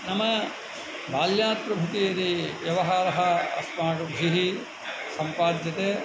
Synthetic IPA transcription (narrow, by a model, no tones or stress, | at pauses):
nɐmɐ | baːljaːt̪̚pɾɐbʱut̪ijɐɾiʋjɐʋɐɦaːɾɐɦɐɐ̰smaːɡɐbʱɾiɦi | sɐmpaːd̪jɐt̪eː